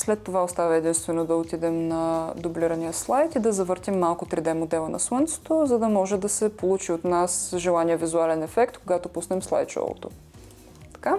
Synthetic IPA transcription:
slɛt̪ːovaost̪avɐɛd̪inst̪vɛnod̪ɐot̪id̪ɛmnɐd̪obliɾɐnijəslˠajt̪id̪ɐzɐvɤɾt̪imːalˠkʊt̪ɾid̪ɛmod̪ɛlˠənɐ̰swənt̪sɛ̥t̪ozɐd̪ɐmɔʒɛd̪ɐsɛpolˠut͡ʃiot̪nasʒɛlˠanijəvizualɛnɛfɛkt̪koɡat̪opusnɛmslˠa̰jt̪ʃɔ̰lˠo̰t̪o̰ | t̪ɐ̥ka

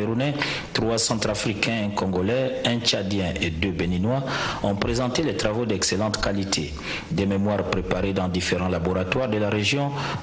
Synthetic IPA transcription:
eʁunɛ | t̪χwasɑ̃t̪χafʁikɛ̃kɔ̃ɡɔlɛɛ̃t͡ʃad̪jɛ̃ʔed̪øbeninwaɔ̃pʁezɑ̃t̪elɛt̪χʁavod̪ɛkselɑ̃t̪kalit̪ʰḛ | d̪ɛmemwaʁpʁepaʁed̪ɑ̃d̪ifeʁɑ̃laboʁat̪waʁd̪əlaʁeʒjɔ̃

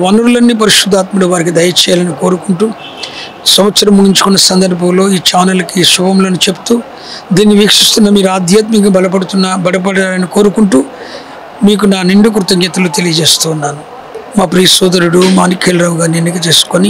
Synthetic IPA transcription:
ʋɐnuɾulɐnːip̬ɐɾiʂud̪ʱːaːt̪muɽuʋaːɾikid̪ɐjɐt͡ʃɛːjaːlɐniko̞ːɾukuɳʈuː | sɐmɐt̪sɐɾɐmːuɡiɲt͡ʃu̥kunːɐsɐnd̪ɐɾbʱɐmlo̞ːiːt͡ʃaːnɐlɐkiʃubʱɐmloːnut͡ʃe̞bu̥t̪uː | d̪iːnːiʋiːkʂist̪unːɐmiːɾuaːd̪ʱjaːt̪mɐkɐbʱɐlɐp̬ɐɽut̪unːbɐɽɐp̬ɐɽaːlɐniko̞ːɾukuɳʈuː | miːk̬unaːniɳɖuk̬ɾut̪ɐŋɡɐt̪ɐluːt̪e̞lijɐd͡ʒe̞ːst̪uːnːaːnu | maːpɾiːsɔːd̪ɐɾuɽumaːnikʰeːlɾaːʋwɡaːnenːikit̪e̞ːsu̥koni

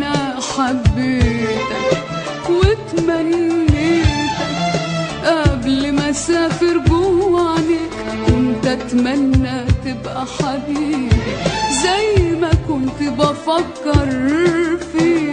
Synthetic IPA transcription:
a | ħabːiːɾt̪ak | wɪt̪manːiɾt̪akʔablɪmasaːfɪɾɡʊwwani | kʊnt̪at̪manːat̪ɪbʔaħabiːɾizajmakʊnt̪ɪbafakːɑɾˤfiː

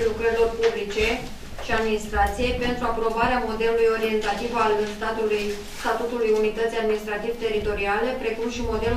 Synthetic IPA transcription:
lukɾəɾilo̞rpublit͡ʃe̞ | ʃiad̪minist̪ɾat̪sije̞jpe̞nt̪ɾuapɾo̞baɾeamo̞d̪e̞lulujo̞ɾie̞nt̪at̪ivalɨst̪at̪uluj | st̪at̪ut̪ulujunit̪ət̪sijad̪minist̪ɾat̪ivt̪e̞ɾit̪o̞ɾiale̞pɾe̞kumʃimo̞d̪e̞lu

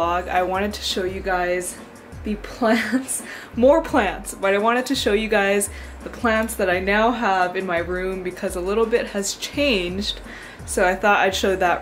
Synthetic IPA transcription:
ɔɡa̰ɪwɑ̃ɾ̃ɨd̚tʰɨ̥ʃoʊjɨɡaɪz | ðɨpʰl̥ænts | mɔɹpʰl̥æ̃ntsb̥ʌɾaɪwɑ̃ɾ̃ɨd̚tʰɨʃoʊjɨɡaɪz | ðəpʰl̥æ̃ntsðɨɾaɪnaʊəvɨ̃nmaɪɹʉ̃mbɨkʰʌzəlɪɾl̩ˠbɪt̚hɨz̥t͡ʃʰẽɪ̃nd͡ʒd̥ | soʊaɪθɔɾa̰ɪd̥ʃoʊd̪̚ðəʔ̚

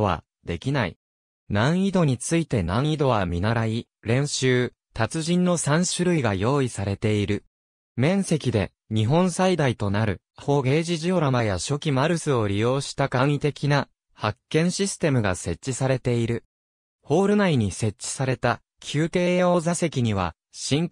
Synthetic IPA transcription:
βa̰ | d̪̥e̞kʲinaḭ | nãɰ̃id̪o̞ɲ̟it͡sɨit̪e̞nãɰ̃id̪o̞βamʲinaɾai | ɾẽ̞ɰ̃ɕɨː | t̪at͡sɨʑĩnːo̞sãɰ̃ɕɨɾɯ̟iɡajo̞ːisaɾe̞t̪e̞iɾɯ̟ | mẽ̞ɰ̃se̞kʲid̪e̞̰ | ɲ̟iɦõ̞ɰ̃said̪ait̪o̞naɾɯ̟ | ho̞ːɡe̞ːʑiʑio̞ɾamajaɕo̞kʲimaɾɯ̟sɨo̞ɾʲijo̞ːɕi̥t̪akait̪e̞kʲina | hakːẽ̞ɰ̃ɕisɨ̥t̪e̞mɯ̟ɡase̞t͡ɕːisaɾe̞t̪e̞iɾɯ̟ | ho̞ːɾɯ̟naiɲ̟ise̞tt͡ɕ͈ːi̥saɾe̞t̪a | kʲʰɨːt̪e̞ːo̞ːzase̞kʲiɲ̟iβ̞a̰ | ɕĩŋ

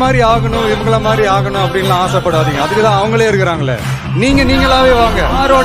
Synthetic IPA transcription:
maːd̪ɾiaːɣɐɳʊ̃ʋɪʋɐɡɐɭɐmaːd̪ɾiaːɣɐɳʊ̃ɐpːɐɽɪnɡɐlãːaːsɐpːɐɽaːðiŋɡɐɐðɯkːɯt̪ãːɐʋɐŋɡɐɭeːɪɾɯkːɪɾaːŋɡɐɭːɛ̰ | niːŋɡɐniːŋɡɐɭãːʋeːʋaːŋɡɐaːɾoː

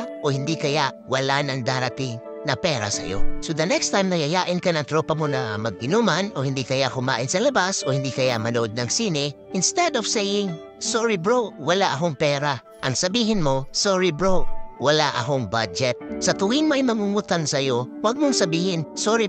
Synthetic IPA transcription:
ohɪnd̪ikɐja | walanaŋd̪aɾat̪ɪŋ | nɐpɛːɾa̰sɐ̰jo̰sod̪ɐnɛkst̪ajmnajajaʔɪnkanaŋt̪ɾopamonamɐɡ̚ɪnumanohiɪnd̪ikɐjahʊma̰ːʔɪnsɐlɐbasohiɪnd̪ikɐjamɐnoʔd̪̚naŋsinɪ | ɪnst̪ɛd̪ɔfsejɪŋ | soɹibɹowalaʔaɦoŋpɛːɾa | ʔɐ̰ŋsɐbiːɦɪnmosoɹibɹowwalaʔa̰ɦoŋbad͡ʒɛt̪̚sɐt̪uɡɪŋmajmɐŋuŋut̪ansɐjowaɡ̚moŋsabiːhɪnsoɾi

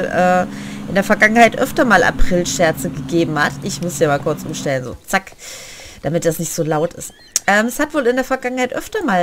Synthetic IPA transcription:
ʔɛː | ʔɪndeːɐfɛɐɡaŋənhaɪtʔœftɐmaːlʔa̰pʁ̥ɪlʃɛɐt͡səɡəɡeːbm̩hatʰʔɪçmʊsjaːmaːlkʰʊɐt͡sʔʊ̰mʃtɛlənzo̰ːt͡sak | d̥amɪt̚d̥asnɪçtz̥oːlaʊtɪst | ʔɛːmɛshatv̥oːlɪndeːɐfɛɐɡaŋənhaɪtʔœftɐmaːl

